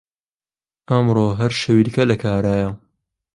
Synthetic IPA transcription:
ʔɐmɾoːɦɐɾʃɐwidkɐlɐkʰaːɾaːjɐ

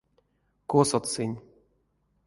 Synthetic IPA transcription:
kosɔt̪sɨnʲ

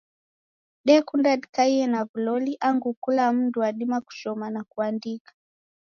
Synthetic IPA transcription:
ɗɛkundaɗikaiɛnavulɔliʔaŋɡukulam̩nduwaɗimaku̥t͡ʃɔmanakuandikḁ

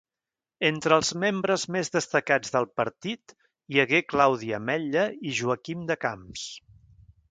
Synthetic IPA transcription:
ent̪ɾəːlˠzmembɾəzmezðəst̪əkad͡zðəlˠpəɾt̪it̪ | jəɣeklawð̞iəmɛʎəiʒuəkimd̪əkams

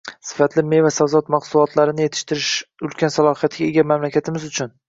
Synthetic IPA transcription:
sɪ̥fat̪ʰlɪme̞vasavzɒt̪maqsʊlˠɒt̪ʰlaɾɪnɪje̞t̪ʰɪ̥ʃt̪ʰɪɾɪʃʊlkʲʰansalˠɒhijat̪ʰɡʲaeɡʲamamlakʲʰat̪ʰɪmɪzʊt͡ʃʰʊn

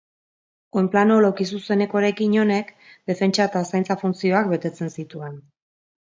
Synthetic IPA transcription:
o̞jmplanolowkis̬use̞ne̞ko̞ɾe̞kiɲo̞ne̞k | d̪e̞fe̞nt͡ʃaet̪asajnt͡safunt͡sio̞akbe̞t̪e̞t͡se̞nsit̪ue̞n

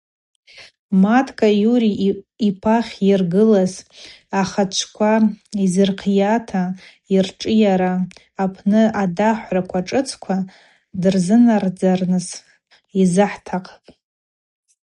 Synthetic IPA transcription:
matʰkʼajuɾiipʰaχʲjɪrɡɨlaz | aχat͡ʃʷʰkʷʰaizɨrqʰjatʰa | irʈ͡ʂʼɨjaɾaː | pʰnɨadaħʷrakʷʰaʈ͡ʂʼɨt͡sʰkʷʰa | dɨrzɨnard͡zarnɨz | izɨħtʰaqʰʼḁpʼ

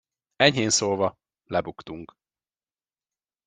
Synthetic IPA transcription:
ɛɲhɦeːnsoːlvɒ | lɛbukt̪uŋk

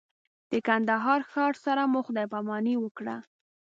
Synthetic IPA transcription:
d̪̥əkand̪aɦɑɾxɑɾsaɾamʊxʊd̪ɑjpamɑniwəkɽa̰

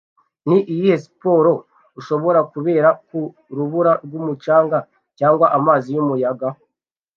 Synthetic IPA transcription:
niʔijihesipo̞ːɾo̞ | uʃo̞βo̞ɾakuβe̞ːɾaku | ɾuβuɾaɾɡumut͡ʃaːŋɡa | caːŋɡwaʔamaːzijumujaɡa

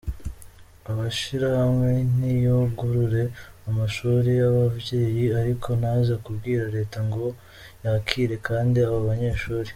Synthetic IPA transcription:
aβaʃiɾahamŋe̞nijobɡuɾuɾe̞ | amaʃuːɾijaβavɟe̞ːjiaɾikʰo̞nazakubɡiːɾaɾe̞ːtaŋɡo̞ | jakʰiːɾe̞kaːndiaβoβaɲe̞ːɾʃuːɾe

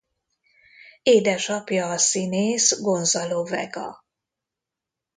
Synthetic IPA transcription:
eːd̪ɛʃɒpjɒːsineːsɡo̞nzɒlovɛ̰ɡɒ̰

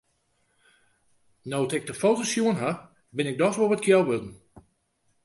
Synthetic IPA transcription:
nowtɪk̚dəfowtosjuənɦa | bɪnɪk̚dɔsʋoʋətkʰjɛlˠʋødn̩

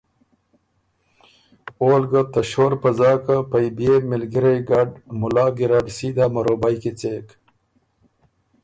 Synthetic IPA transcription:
oːlɡɐt̪ɐɕoːɾpɐzaːkapɐjbjemilɡiɾejɡɐɖmʊlaːɡiɾaɖsiːd̪aːmɐɾoːbajkit͡sek

